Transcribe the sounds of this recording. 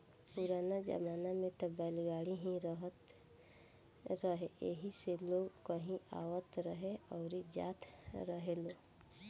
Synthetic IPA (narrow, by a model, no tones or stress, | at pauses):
puɾaːnad͡ʒə̰maːnamẽt̪əbɛːlɡaːɽiɦĩɾəɦət̪ | ɾəɦeeɦiseloːɡkəɦĩa̰ːwət̪ɾəɦeɔːɾid͡ʒa̰ːt̪ʰɾəɦeloː